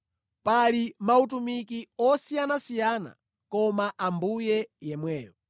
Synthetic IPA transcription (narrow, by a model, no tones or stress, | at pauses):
palimaut̬umikiɔsijanasijana̰ | kɔmaʔambujɛjɛmwɛːjɔ